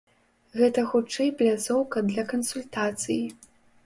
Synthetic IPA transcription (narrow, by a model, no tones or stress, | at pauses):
ɣɛt̪ɐxut͡ʂɛjplʲazɔwkɐd̪lʲɐkɐnsulʲt̪at̪sɨji